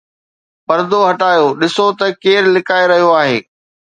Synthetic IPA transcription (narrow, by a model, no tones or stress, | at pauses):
pɐɾd̪oɦɐʈaːjoɗɪsot̪ɐkeːɾlɪkaːeɾɐɦijoaːɦḛː